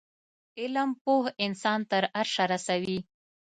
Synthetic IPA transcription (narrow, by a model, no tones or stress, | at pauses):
ɪlampohɪnsɑnt̪əɾaɾʂaɾasawi